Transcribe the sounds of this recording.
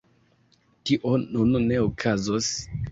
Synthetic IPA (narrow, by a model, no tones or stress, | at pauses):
tiʔonunne̞okʰazos